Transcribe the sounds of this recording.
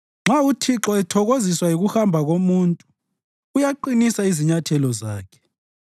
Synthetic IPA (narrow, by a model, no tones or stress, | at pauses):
ŋ͡ǁʱautʰiǁɔɛtʰɔɣoziswajiɣuxambʱaɣomuntʼuː | jaǃinisaiziɲatʰɛlɔzaːkʰɛ̥